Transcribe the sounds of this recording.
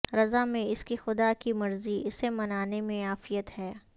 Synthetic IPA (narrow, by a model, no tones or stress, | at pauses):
ɾɐzamẽɪskixʊd̪akimɐɾziɪsemɐnaːnemẽaːfɪjət̪hɛː